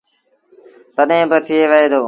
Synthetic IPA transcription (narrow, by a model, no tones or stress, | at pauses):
t̪əɗɦẽːbɪt̪ʰɪeːʋəɦeːd̪oː